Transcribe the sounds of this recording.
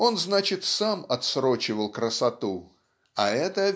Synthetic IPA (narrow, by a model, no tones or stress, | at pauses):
o̞nznat͡ɕɪt̪samɐt̪sɾo̞t͡ɕɪvəlˠkɾəsɐt̪u | ɐɛt̪ə